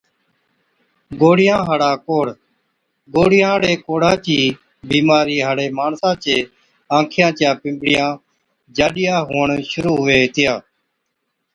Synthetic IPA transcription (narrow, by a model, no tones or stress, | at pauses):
ɡoːɽɪjãːɦaɽaːkoːɽ | ɡoːɽɪjãːɽeːkoːɽãːt͡ʃiː | biːmaːɾiːɦaːɽeːmaːɳsãːt͡ʃeː | ãːkʰɪjãːt͡ʃjãːpɪ̃mbɽɪjãː | d͡ʒaːɗɪjaːɦoːɳʃʊɾuːɦʊʋeːɦɪt̪ɪjaː